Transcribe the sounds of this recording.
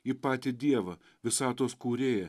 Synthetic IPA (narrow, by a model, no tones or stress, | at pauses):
ɪpɑːt̪ʲɪd̪ʲiɛʋɐ | ʋʲɪsɑːt̪oːskuːɾʲeːjɛ